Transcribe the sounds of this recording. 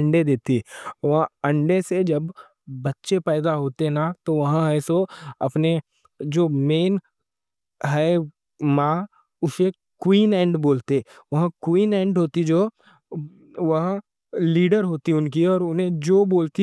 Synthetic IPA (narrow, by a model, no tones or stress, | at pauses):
ɐɳɖed̪eːt̪iʋɐɦãɐ̃ɳɖesed͡ʒɐbː | ɐtːʃepɛːd̪aɦoːt̪eɦnat̪oʋɐɦãɛːsoɐpne | d͡ʒoːmeːn | ɦɛ | mã | ʊse | kwiːnɛ̃ːɳɖboːlt̪e | ʋɐɦãkwiːnɛ̃ːɳɖɦoːt̪id͡ʒoː | ʋɐɦã | liːɖəɾɦoːt̪iʊnkiɔːɾʊnɦẽd͡ʒoːboːlt̪i